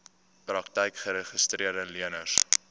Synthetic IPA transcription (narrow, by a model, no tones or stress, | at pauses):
prɐktəjkχəɾəχəstriərdəliənəs